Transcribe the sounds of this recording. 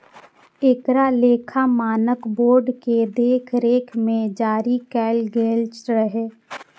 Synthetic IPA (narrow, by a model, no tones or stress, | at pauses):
eːkɾaleːkʰamaːnəkboːɾɖked̪eːkʰɾeːkʰmẽd͡ʒaːɾikɛːlɡeːlt͡ʃɾəɦeː